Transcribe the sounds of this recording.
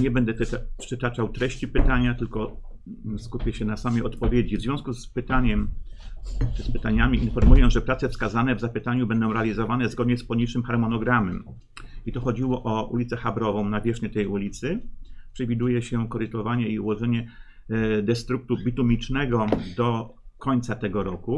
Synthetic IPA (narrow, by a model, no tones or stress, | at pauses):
ɲɛbɛnd̪ɛt̪pʂɘt̪at͡ʂawt̪ɾɛɕt͡ɕipɘt̪aɲat̪ɘlkɔ | skupʲjɛɕɛnasamɛɔt̪pɔvʲjed͡ʑivzvʲɔ̃w̃skuspɘt̪aɲɛm | ʈ͡ʂɘspɘt̪aɲamʲiʔinfɔɾmujɛʐɛpɾat̪sɛfskazanɛvzapɘt̪aɲubɛnd̪ɔ̃w̃ɾɛalʲizɔvanɛzɡɔd̪ɲɛspɔɲit͡ʂɘmxaɾmɔnɔɡɾamɛm | it̪ɔxɔd͡ʑiwɔʔɔṵlʲit̪sɛxabɾɔvɔ̃w̃navʲjɛʂɲɛt̪ɛjulʲit̪sɘpʂɛvʲid̪ujɛɕɛkɔɾɘt̪ɔvaɲɛiuwɔʐɛɲɛ | d̪ɛst̪ɾuk̚t̪ubʲit̪umʲit͡ʂnɛɡɔd̪ɔkɔɲt̪sat̪ɛɡɔɾɔku